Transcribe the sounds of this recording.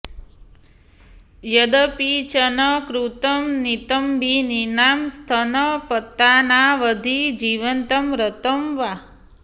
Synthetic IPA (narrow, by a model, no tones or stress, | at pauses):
jəd̪əpit͡ʃənəkɾut̪əmnit̪əmbʱininamst̪ʰənəpət̪ːanaʋəd̪ʱid͡ʒiʋənt̪əmɾət̪əmʋa